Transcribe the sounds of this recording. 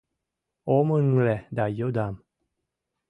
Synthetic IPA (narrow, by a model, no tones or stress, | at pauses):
omənŋlɛdajod̪am